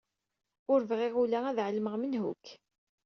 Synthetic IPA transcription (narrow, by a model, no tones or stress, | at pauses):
ʊɾvʁɪʁulææðʕəlːməʁmənhṵk